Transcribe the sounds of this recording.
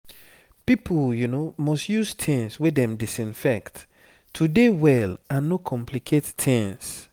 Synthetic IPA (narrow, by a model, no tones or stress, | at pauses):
pipʰljunomɔstjustʰɛ̃nswedɛ̃mdisĩnfɛkt | tʰːudewɛlãnːokʰɔ̃mpʰlikʰettʰɛ̃ns